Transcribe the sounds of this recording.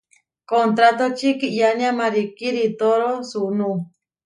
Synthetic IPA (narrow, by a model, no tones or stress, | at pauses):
kont̪ɾat̪ot͡ʃikiʔjanjamaɾikiɾit̪oɾosunu